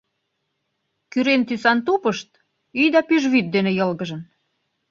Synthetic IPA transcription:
kyɾent̪ysɑnt̪upəʃt̪̚ | yjd̪ɑpyʒβyt̪̚d̪enĕjɤlɣəʒə̆n

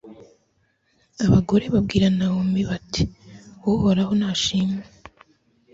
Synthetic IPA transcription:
aβaɡo̞ɾe̞βab̚ɡiːɾanahombiβati̥woohoɾaho̞naːʃiːme

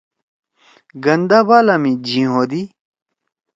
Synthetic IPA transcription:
ɡɐnd̪abalɐmid͡ʑĩɦod̪i

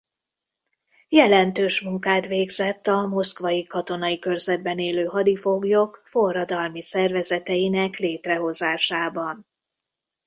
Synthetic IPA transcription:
jɛlɛnt̪øːʃmuŋkaːt̪ʋeːɡzɛt̪ːɒmo̞skʋɒjikɒt̪o̞nɒikørzɛd̪̚bɛneːløːɦɒd̪ifo̞ɡjo̞kfo̞rːɒd̪ɒlmisɛrvɛzɛt̪ɛjinɛkleːt̪rɛɦo̞zaːʃaːbɒn

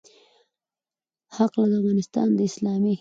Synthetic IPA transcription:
haqlaɡafɣɑnɪst̪ɑ̰nd̪əɪslɑmi

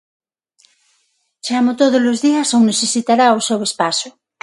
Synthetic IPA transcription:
t͡ʃamot̪oð̞ozlozðiɐsowŋneθesit̪aɾaosewespasʊ

